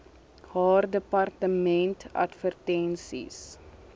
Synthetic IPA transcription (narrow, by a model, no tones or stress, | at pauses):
hɑːrdəpɐrtəmɛntɐ̰tfərtɛnsḭs